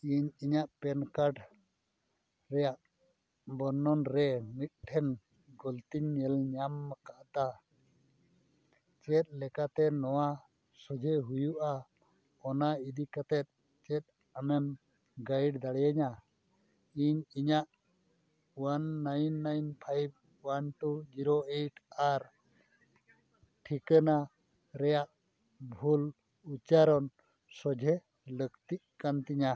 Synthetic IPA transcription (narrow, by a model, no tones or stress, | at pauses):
iɲiɲaʔpɛnkaɾɖ | ɾɛjaʔ | bɔnːɔnɾɛmit̪̚ʈʰɛn | ɡɔlt̪iɲːɛlɲamːakaʔt̪a | t͡ʃɛt̪̚ˀlɛkat̪ɛnɔwa | sɔd͡ʒʱɛɦujuʔa | ɔnaid̪ikat̪ɛt̪̚ | t͡ʃɛt̪̚ | amɛm | ɡajɖd̪aɽɛjaɲa | iɲiɲaʔ | wanːajnːajnpʰajb̚ | wanʈud͡ʒiɾoeʈʰaɾ | ʈʰikəna | ɾɛjaʔ | bʱul | ut͡ʃaɾɔn | sɔd͡ʒʱɛ | ləkt̪iʔkant̪iɲa